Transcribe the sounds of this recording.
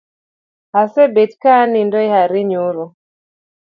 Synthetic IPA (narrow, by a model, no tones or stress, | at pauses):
hasɛbɛtkanindɔihaɾiɲuɾɔ